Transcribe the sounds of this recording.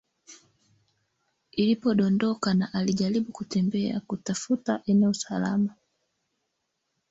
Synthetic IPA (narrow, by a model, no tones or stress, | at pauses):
ilipɔɗɔndɔkanaʔaliʄaliɓukutɛmbɛa̰kutafutaʔɛnɛusala̰ma